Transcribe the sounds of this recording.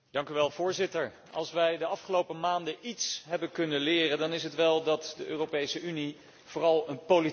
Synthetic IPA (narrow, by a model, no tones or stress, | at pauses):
d̥ɑŋkyʋɛlˠvʊːɹzɪtəɹ | ɑ̰lˠsʋɛjdəɑfχəlowpəmaːndəʔitsɦɛbənkɵnənlɪːrəndɑnɪsɦətʋɛlˠdɑtdəʔøːrowpejsəyni | v̥ʊːrɑlˠənpoli